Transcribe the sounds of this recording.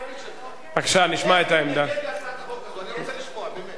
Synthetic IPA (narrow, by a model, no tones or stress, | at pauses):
akʃaniʃmaet̪aemd̪a